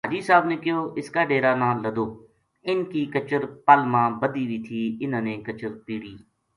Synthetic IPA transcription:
ɦaːd͡ʒiːsaːbneːkɪjoːʔɪskaːɖeːɾaːnãːləd̪oː | ɪnkiːkət͡ʃəɾpaːlmãːbəd̪iːʋiːt̪ʰiːɪnãːneːkət͡ʃəɾpiːɽiː

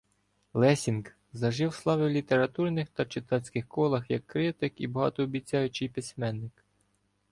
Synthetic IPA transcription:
lˠɛsʲink | zɐʒɪwslˠɑʋɪwlʲit̪eɾɐt̪urnɪxt̪ɐt͡ʃɪt̪ɑsʲkɪxkɔlˠɐxjɐkːɾɪt̪ɪkibɔɦɑ̰t̪ɔːbʲit͡sʲːɑjʊt͡ʃɪjpʲisʲmɛnːɪk

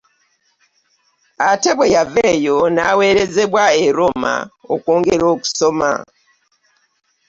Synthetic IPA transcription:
ateβwejaveːjo̞naːwe̞ːɾe̞ze̞βwaeɾo̞ma̰okoːŋɡe̞ɾo̞ːku̥so̞ma̰

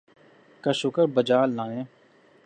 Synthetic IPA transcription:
kaʃʊkəɾbəd͡ʒaːlːãːnẽː

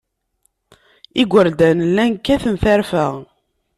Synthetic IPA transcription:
iɡʷəɾd̪ænlːænkːæθəmθæɾfəʁ

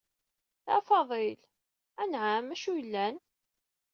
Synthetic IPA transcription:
θæ̰fɑðˤel | ænʕamæʃujəlːæn

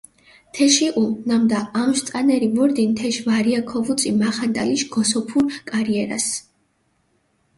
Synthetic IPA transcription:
t̪ʰɛʃiʔunamd̪aːmʃt̪sʼanɛɾibɔɾd̪int̪ʰɛʃvaɾiakʰɔvut̪sʼimaχant̪ʼa̰liʃɡ̥ɔsɔpʰuɾkʼaɾiɛɾa̰s

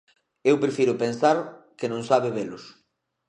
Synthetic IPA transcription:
ewpɾefiɾʊpensaɾkenõŋsaβeβelʊs

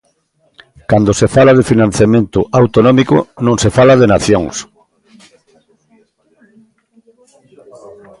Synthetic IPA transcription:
kand̪osefalað̞efinãn̟θjamẽnt̪ʊʔawt̪onɔmiko̰nõŋsefalaðenaθjoŋs

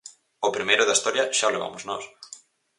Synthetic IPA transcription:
opɾimejɾʊðɐist̪ɔɾjɐʃaleβa̰mʊznɔs

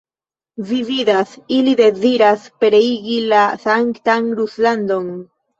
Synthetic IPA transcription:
vivid̪asilid̪e̞ziɾaspeɾeiɡilasaŋkt̪aŋɾusland̪on

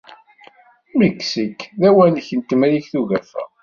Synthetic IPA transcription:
məkːsəkːðæwænçənt̪əmæɾiçθuʝæfæ̰

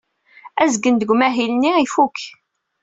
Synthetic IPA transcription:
æzɡənd̪əɡʷmæɦilniifukː

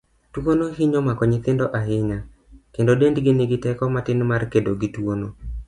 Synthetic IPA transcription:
twonoɦɪɲomakɔɲikendoʔaɦɪɲa | kendodendɡɪnɪɡɪtɛkɔmatɪnmarkedoɡitwono

